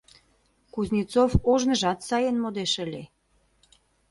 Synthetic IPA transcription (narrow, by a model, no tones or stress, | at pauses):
kuznʲit͡sofoʒnə̆ʒɑt̪sɑjenmod̪eʃəlʲe